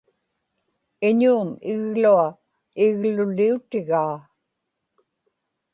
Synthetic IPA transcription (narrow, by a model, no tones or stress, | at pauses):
ɪɲuːmɪɣlua | ɪɣlʊliut̪ɪɣaː